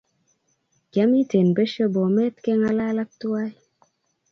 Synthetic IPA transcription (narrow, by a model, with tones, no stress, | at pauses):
ɡa˦mi˦te˨nbe˦ʃə˦bɔ˨mɛ˦tke˦ŋa˦la˦la˦k̚tu˦a˦j